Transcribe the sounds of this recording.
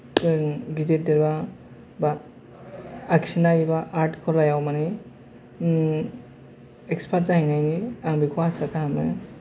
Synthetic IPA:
ɡidet̚deɾba | ba | ksinajibaʔaɾtkʰɔlajawmani | ekspʰat̚zaɦinajniaŋbikʰɔasakʰaamɯ

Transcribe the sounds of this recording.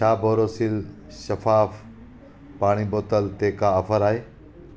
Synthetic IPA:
t͡ʃʰaːbʱoːɾoːsil | ʃɐfaːf | paːɽ̃iboːt̪əlt̪eːkaɐfəɾaːɦeː

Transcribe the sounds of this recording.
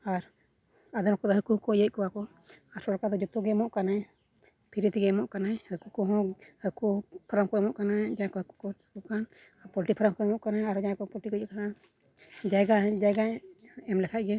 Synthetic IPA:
aɾ | ad̪ɔmɔkɔd̪ɔɦəkukɔjəc̚kɔwakɔ | aɾsɔɾkad̪ɔd͡ʒɔt̪uɡɛmɔʔkanaj | pʰiɾit̪iɡɛɛmɔʔkanajhəkukɔɦɔ̃həkupʰɔɾəmkɔɛmɔʔkanad͡ʒajkɔɦəku̥kɔkɔkan | apɔlʈipʰɔɾəmkɔɛmɔʔkanajaɾɔd͡ʒãkɔpɔlʈikɔjəʔkana | d͡ʒajɡad͡ʒajɡajɛmlɛkʰaʔ̚ɡɛ

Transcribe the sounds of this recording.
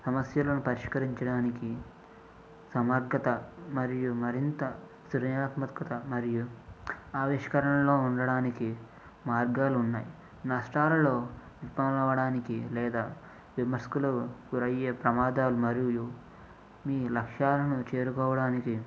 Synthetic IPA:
sɐmɐsjɐlɐnupɐɾiʃkɐɾiɲt͡ʃɐɽaːniki | sɐmɐɾɡɐt̪ɐmɐɾijumɐɾint̪ɐ | sɾɐjaːt̪mɐt̪kɐt̪ɐmɐɾiju | aːʋiːʃɐ̥kɐɾɐɳɐmlo̞ːuɳɖɐɽaːniki | maːɾɡaːlunːaːji | nɐsʈaːɾɐlo̞ː | ipɐmɐʋɐɽaːnikilɛːd̪aː | ʋimɐɾskulɐuɡuɾɐjɐpɾɐmaːd̪aːlumɐɾiju | miːlɐkʂaːlɐnut͡ʃe̞ːɾukɔːʋɐɽaːniki

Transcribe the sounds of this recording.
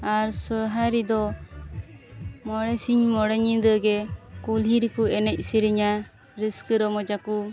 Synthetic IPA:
aɾsɔɦaɾid̪ɔ | mɔɽɛsiɲmɔɽɛɲid̪əɡɛkuliɾikuɛnɛc̚ˀsiɾiɲa | ɾiskəɾɔmɔd͡ʒaku

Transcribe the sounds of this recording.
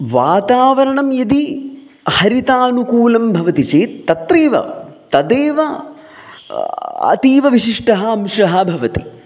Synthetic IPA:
ʋaːt̪aːʋɐɾɐɳɐmjɐd̪i | hɐɾit̪aːnukuːlɐmbʱɐʋɐt̪it͡ʃeːt̪ːɐt̪ɾeːʋɐ̰t̪ɐd̪eːʋɐ | ɐ̰t̪iːʋɐʋiʃiʂʈɐɦɐɐmʂɐɦɐbʱɐʋɐt̪i

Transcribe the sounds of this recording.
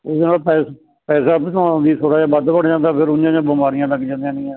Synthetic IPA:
ʊsd̪enaːlpɛːs | pɛːsaːpt̪ãd̪iːt̪ʰoːɽaːd͡ʒãːbəd̪pəɽd͡ʒãːnd̪aːpʰɪɾʊd͡ʒãːd͡ʒãːbəmaːɾɪjãːləɡd͡ʒãːnd̪ejãːnĩːɛː

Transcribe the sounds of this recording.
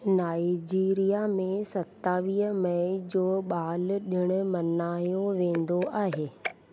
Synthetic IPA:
naːid͡ʑiːɾijamẽsɐt̪ːaːʋiːɦəmɐɪd͡ʑoːɓaːlɗɪɽ̃ʊ̆mɐnaːjoʋẽːn̆d̪oʔaːɦeː

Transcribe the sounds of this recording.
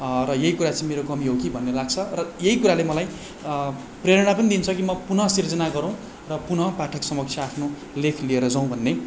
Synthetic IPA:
rʌjeikuɾat͡sãĩmeɾokʌmiɦokibʱʌnːelaɡ̚t͡sʰʌrʌjeɦikuɾalemʌlaj | preɾʌɽ̃apʌnid̪int͡sʰʌkimʌpunʌsird͡zʌnaɡʌɾʌ̃w̃ | rʌpunʌpaʈʰʌksʌmʌksʰjaapʰno | lekʰlieɾʌd͡zʌw̃bʱʌnːe

